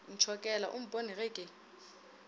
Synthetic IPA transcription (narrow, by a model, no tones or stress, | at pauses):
n̩t͡ʃʰɔkʼɛlaʔum̩bʱʼoniɣɪkʼɪ